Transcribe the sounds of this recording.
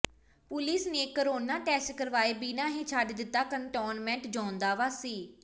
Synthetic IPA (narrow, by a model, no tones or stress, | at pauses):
pʊlɪsneːkəɾoːnaːʈɛːsʈkəɾʋaːeːbiːnãːɦeːt͡ʃʰaɖd̪ɪt̪ːaːkəɳʈoːnmɛ̃ːɳʈd͡ʒãːʊ̃nd̪aːʋaːsiː